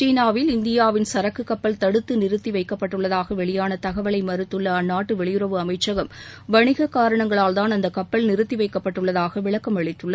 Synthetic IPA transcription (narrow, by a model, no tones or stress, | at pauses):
t͡ʃiːnaːʋɪlɪnd̪ɪjaːʋɪnsɐɾɐkːɯkːɐpːɐlt̪ɐɽɯt̪ːɯnɪɾɯt̪ːiʋɐɪkːɐpːɐʈːɯɭːɐðaːɣɐʋɛɭɪjaːnɐt̪ɐɣɐʋɐɭɐɪmɐɾɯt̪ːɯɭːɐːnːaːʈːɯʋɛɭɪjɯɾɐʋɯɐmɐɪt͡ʃːɐɣɐmʋɐɳɪɣɐkaːɾɐɳɐŋɡɐɭaːlðaːnɐnd̪ɐkːɐpːɐlnɪɾɯt̪ːiʋɐɪkːɐpːɐʈːɯɭːɐðaːɣɐʋɪɭɐkːɐmɐɭɪt̪ːɯɭːɐ